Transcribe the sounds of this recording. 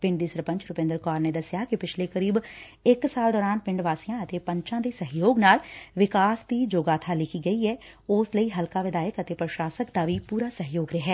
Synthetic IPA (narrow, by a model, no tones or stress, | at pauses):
pɪ̃ɳɖd̪iːsəɾpə̃ɲt͡ʃɾʊpẽnd̪əɾkaːɾneːd̪əsɪjaːkɪpɪt͡ʃʰleːkəɾiːb | ɪksaːld̪ɔːɾaːnpɪ̃ɳɖʋaːsijãːət̪eːpə̃ɲt͡ʃãːd̪eːsəɦjoːɡnaːlʋɪkaːsd̪iːd͡ʒoːɡaːt̪ʰaːlɪkʰiːɡəiːɛː | ʊsləiːɦəlkaːʋɪd̪aːjəkət̪eːpɾəʃaːsəkd̪aːʋiːpuːɾaːsəɦjoːɡɾɪɦɛː